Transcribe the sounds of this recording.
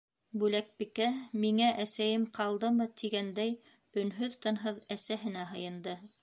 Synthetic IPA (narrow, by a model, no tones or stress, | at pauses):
bʉlæk̚bikæmiŋæʔæsæjɘmqʰɑlˠd̪ɤmɤt̪ʰiɡænd̪æj | ɵ̆nɦɵðt̪ɤ̆nɦɤðæsæɦɘ̆næɦɤ̆jɤ̆nd̪ɤ